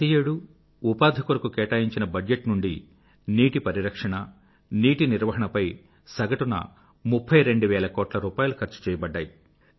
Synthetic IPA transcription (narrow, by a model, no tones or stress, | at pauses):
ijeːɽuː | paːd̪ʱikuɾɐkukɛːʈaːjiɲt͡ʃinɐbɐd͡ʒd͡ʒeʈnuɳɖi | niːʈipɐɾiɾɐkʂɐɳɐ | niːʈiniɾʋɐɦɐɳɐpɐj | sɐɡɐʈunɐ̰ | mupʰːɐjɾe̞ɳɖuʋɛːlɐkɔːʈlɐɾuːpaːjulukʰɐɾt͡ʃu̥t͡ʃɛːjɐbɐɖːaːji